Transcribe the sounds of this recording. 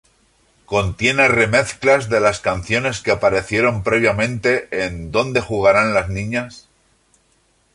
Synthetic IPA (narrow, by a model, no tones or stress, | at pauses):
ko̞nt̪je̞nere̞me̞θklazðe̞laskan̟θjo̞ne̞skeapaɾe̞θje̞ɾo̞mpɾe̞β̞jamẽ̞nt̪e̞ʔend̪o̞nd̪e̞xuɣ̞aɾanlaznĩɲas